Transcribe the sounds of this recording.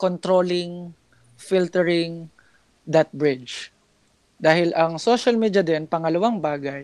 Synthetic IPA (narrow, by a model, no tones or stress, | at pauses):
kont̪ɾoːlɪŋ | filt̪ɛɹɪŋ | d̪ɐt̪̚bɹɪt͡ʃ | d̪aːhɪlʔɐŋsoʃɐlmid̪ɐd̪ɛnpɐŋɐlɐwaŋbaːɡaj